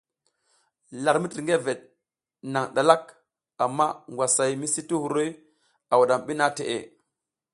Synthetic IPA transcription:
la˨ɾmi˦ti˨ɾŋɡe˦ve˨t̚ | na˨ŋɗa˨la˦k | a˨mːa˦ŋɡwa˨sa˨jmi˦si˦ti˦hu˨ɾo˦j | a˨wu˨ɗa˨mɓi˦na˦te˨ʔḛ˨

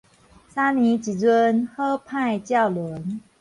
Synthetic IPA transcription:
sa˥ni˧˥t͡ɕi˨˥t͡swə˦nxɤ˥pʰa˥˧ɪt͡ɕjɑ˥˩ʊlwə˧˦n

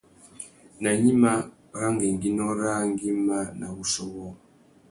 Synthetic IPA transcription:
na˨ɲi˦ma˦ | ɾa˦ŋɡɛ˨ŋɡi˨˦nɔ˦ɾa˦ŋɡi˦ma˦na˨βu˨sɔ˦wɔ˦

